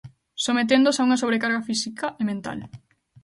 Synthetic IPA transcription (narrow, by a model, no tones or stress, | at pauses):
somet̪̬end̪osauŋɐs̬oβ̞ɾekaɾɣafisikaʔemẽnt̪a̰l